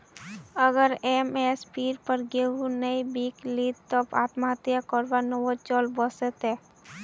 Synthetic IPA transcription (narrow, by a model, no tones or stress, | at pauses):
əɡəɾeːmespiːɾpəɾɡeːunəibiːklit̪t̪ːɔbaːt̪maɦət̪jakɔɾbanowot͡ʃɔːlbɔset̪ɛː